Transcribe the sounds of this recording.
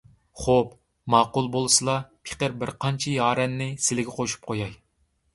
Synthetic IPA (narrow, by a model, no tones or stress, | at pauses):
χop | mɑːqʊlˠbolˠɨsɨlˠɑpʰe̥qəɾbɪɾqʰɑnt͡ʃʰijɑːɾɛnːɪsɪlɪɡʲɛqʰoʃu̥p̚qʰojɑj